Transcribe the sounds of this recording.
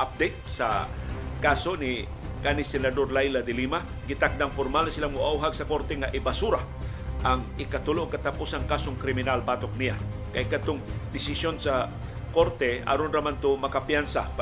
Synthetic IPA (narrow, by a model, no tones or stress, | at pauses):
ʔap̚d̪ejt̪̚sa̰kaːsonɪ | kanɪsɛnad̪oɾlajlad̪ɪlima | ɡɪt̪ak̚d̪aŋfoɾmalsɪlamʊʔauɦaɡsɐko̞ɾt̪ɛŋaʔɪbasuɾa | ʔɐŋɪkɐt̪ʊlokɐt̪apusaŋkaːsoŋkɾɪmɪnalbaːt̪ok̚nijakajkat̪ʊŋd̪ɪsɪsjonsa | ko̞ɾt̪ɛa̰ɾonɾamant̪omɐkapjansa